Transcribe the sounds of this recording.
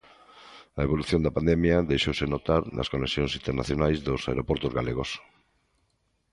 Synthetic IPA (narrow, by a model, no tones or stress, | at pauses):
ɐeβ̞oluθjõnd̪apand̪emjaðejʃowsenot̪aɾnʔɐ̰skonesjoŋsint̪eɾnaθjonajzðosaeɾopɔɾt̪ozɣaleɣ̞os